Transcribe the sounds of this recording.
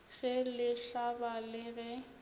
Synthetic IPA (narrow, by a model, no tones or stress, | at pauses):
ɣɛlɪɬabalɪɣɛ